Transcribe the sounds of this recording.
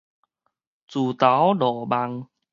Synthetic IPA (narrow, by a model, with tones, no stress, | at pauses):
t͡su˨˩t̪a˨˦wdɔ˨˩ba˧ŋ